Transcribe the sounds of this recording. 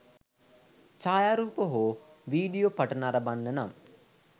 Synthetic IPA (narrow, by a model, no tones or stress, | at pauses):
t͡ʃaːjaːɾuːpoɦoʋiːɖijopɐʈɐnaɾɐbanːənam